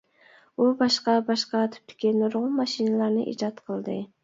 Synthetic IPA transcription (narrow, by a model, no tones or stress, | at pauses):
ubɑʃqɑbɑʃqɑt̪ʰy̥p̚t̪ʰɪ̥kʲʰinoɾʁʊmɑʃinɨlˠɑɾnɪ̰ʔḭd͡ʒɑt̪qʰəlˠd̪ɨ